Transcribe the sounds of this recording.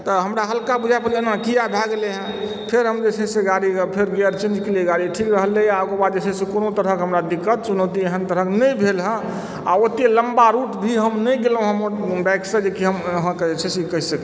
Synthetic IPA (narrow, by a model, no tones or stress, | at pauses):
t̪əɦəmɾaɦəlkabud͡ʒʱapəɾd͡ʒenakijabʱɛɡleɦɛ̃ | pʰeɾɦəmd͡ʒesʰɛ̃sẽɡaɾipʰeɾɡɛəɾt͡ʃẽnd͡ʒkelieɡaɾiʈʰikɾəɦəleakebad̪d͡ʒesʰɛ̃sẽkonot̪əɾəkɦəmɾad̪ikːət̪t͡ʃunəwt̪ieɦənt̪əɾəknəjbʱelɦə̃ | a̰ot̪eləmbaɾuʈbʱiɦəmnəjɡelɦũɦəmbɛjksəd͡ʒekiɦəmɦə̃ked͡ʒet͡ʃʰesekəɦisək